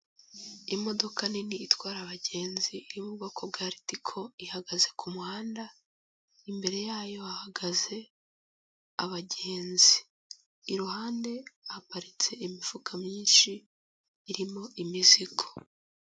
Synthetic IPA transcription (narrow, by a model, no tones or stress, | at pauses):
imo̞do̞kʰaniniːtwaːɾaβaɟe̞ːnziːɾimuuβakʰob̚ɡaːɾitikʰo̞ihaɡaze̞kʰumuhaːnda | imbe̞ɾe̞jaːjo̞ahaɡaze̞ | aβaɟe̞ːnziː | ɾuhaːnde̞hapaɾit͡se̞imifukʰamɲiːnʃiː | ɾimo̞ʔimizikʰo̥